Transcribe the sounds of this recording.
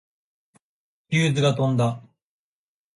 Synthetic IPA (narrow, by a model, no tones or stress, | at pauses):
kʲɨːzɨɡat̪õ̞nd̪a